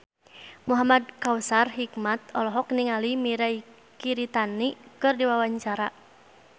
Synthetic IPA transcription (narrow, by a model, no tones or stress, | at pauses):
muɦamad̚kawsarɦikmat̪ɔlɔɦɔkniŋalimiɾai | kiɾit̪anikɨrdiwawaɲt͡ʃaɾa